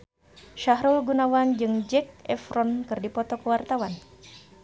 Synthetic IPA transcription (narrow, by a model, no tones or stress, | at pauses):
ʃaɦɾulɡunawand͡ʒɨŋd͡ʒɛk̚ɛfɾɔnkɨrdipɔt̪ɔkəwart̪awan